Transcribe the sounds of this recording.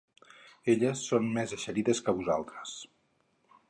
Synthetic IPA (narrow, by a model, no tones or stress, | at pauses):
eʎəsːonmezəʃəɾiðəskəβuzalˠt̪ɾəs